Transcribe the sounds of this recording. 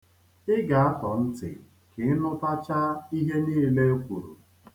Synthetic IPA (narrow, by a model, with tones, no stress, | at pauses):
ɪ˦ɡa˨a˦tɔ˨n̩˦tɪ̰˨ | kɪ˨˦nʊ˦ta˦t͡ʃa˦i˦ɦe˦niː˦˨le˦kʷu˨ɾu˨